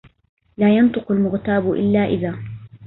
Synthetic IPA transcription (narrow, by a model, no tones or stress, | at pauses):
laːjɑnt̪ˤɨqalmʊɣt̪aːbʊʔɪ̰lːaːʔɪðaː